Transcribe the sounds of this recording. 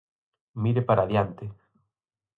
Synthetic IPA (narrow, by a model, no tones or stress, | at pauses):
miɾepaɾaðjant̪e